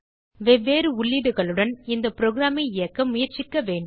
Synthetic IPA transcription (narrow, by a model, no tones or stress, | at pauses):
ʋɛʋːeːɾɯʊɭːɪðɯɣɐɭɯɽɐnɪnd̪ɐpɪɾoːɣɪɾaːmɐɪɪjɐkːɐmʊjɐɾt͡ʃɪkːɐʋeːɳɖ